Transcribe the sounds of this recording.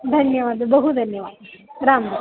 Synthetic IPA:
d̪ʱɐnjɐʋaːd̪ʱɐbɐɦud̪ʱɐnjɐʋaːd̪ɐɾaːm

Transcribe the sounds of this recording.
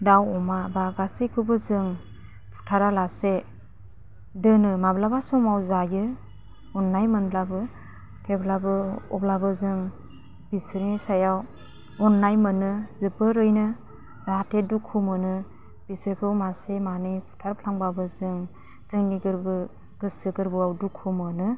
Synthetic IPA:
dawɔmabaɡasekʰɯbɯzɯŋ | pʰu̥tʰaɾalase | dɯnɯmablabasɔmawzajɯ | ɔnːajmɯnblabɯ | tʰeblabɯɔblabɯzɯŋ | b̥isɯɾnisajaw | ɔnːajmɯnɯzɯbɯɾɯjnɯ | zatʰedukʰumɯnɯ | bisɯkʰɯwmasemanɯjpʰu̥tʰaɾpʰlaŋbabɯzɯŋ | zɯŋniɡɯɾbɯ | ɡ̥ɯsɯɡɯɾbɯawdukʰumɯnɯ

